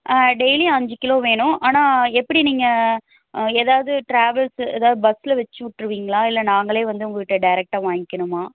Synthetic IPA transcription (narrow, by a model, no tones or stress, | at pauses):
ɖejliɐɲd͡ʒɪkɪloːʋeːɳʊ̃aːnaːɛpːɐɽiniːŋɡɐ | eːðaːʋɐðɯʈɾaːʋɛlsḛːðaːʋðɯbɐsːɪlɐʋɛt͡ʃːɯʋɪʈːɪɾɯʋiːŋɡɐɭãːɪlːɐnaːŋɡɐɭeːʋɐnd̪ɯʊŋɡɐkɪʈːɯɖɐɪɾɛk̚ʈaːʋaːŋɡɪkːɐɳɯmaː